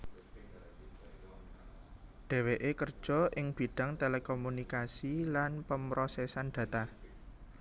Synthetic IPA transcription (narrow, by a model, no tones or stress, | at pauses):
ɖ̥e̤weʔekərd̥ʒ̥ɔ̤ʔɪŋb̥i̤ɖ̥a̤ŋt̪elekomunikasilanpəmɾosɛsanɖ̥ä̤t̪a